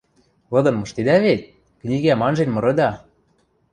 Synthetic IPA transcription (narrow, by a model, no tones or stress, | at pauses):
lɤ̆d̪ɤ̆nmɤ̆ʃt̪ed̪æβet̪̚ʲ | knʲiɣæmɑnʒenmɤ̆ɾɤ̆d̪ɑ